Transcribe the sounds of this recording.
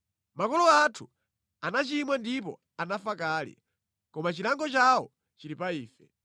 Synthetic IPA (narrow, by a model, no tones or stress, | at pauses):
makɔlɔatʰu | anat͡ʃimwandip̬ɔ̰ | anafakaːlḭ | kɔmat͡ʃilaŋɡɔt͡ʃawɔ | t͡ʃiɾipaiːfɛ